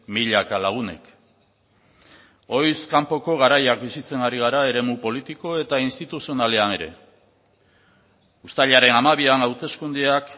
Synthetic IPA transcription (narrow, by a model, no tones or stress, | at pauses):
miʎakalaɣ̞une̞̰k | o̞jskampo̞ko̞ɣ̞aɾajakbisit͡se̞naɾiɣ̞aɾae̞ɾe̞mupo̞lit̪iko̞e̞t̪ainst̪it̪usio̞nale̞ane̞ɾe̞̰ | ust̪aʎaɾe̞namaβianawt̪e̞skund̪eak